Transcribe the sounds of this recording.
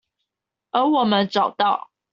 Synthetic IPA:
ə˨˥˦wɔ˨˩mə˨˦nʈ͡ʂɑ˨˩ʊt̪ɑ˥˨ʊ

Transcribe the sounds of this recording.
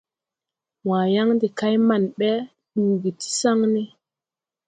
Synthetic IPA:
wãː˨ja˦ŋdi˨ka˦jma˨nɓɛ˦ | ɗuː˨ɡi˨ti̥˦sa˦ŋne˦

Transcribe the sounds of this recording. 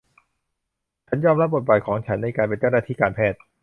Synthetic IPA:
t͡ɕʰa˦˥njɔː˧mɾa˦˥p̚bo˨˩baː˨˩kʰɔː˩˦ŋt͡ɕʰa˦˥nːa˧jkaː˧np̬e˧nt͡ɕa˥˩wnaː˥t̪ʰiː˥˩kaː˧npʰɛː˥˩t̪̚

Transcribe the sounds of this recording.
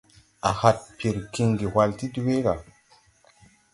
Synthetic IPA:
a̰˨ha˨t̚pi˨ɾki˨ŋɡi˨ha˨lti˦du˦we˦ka˨

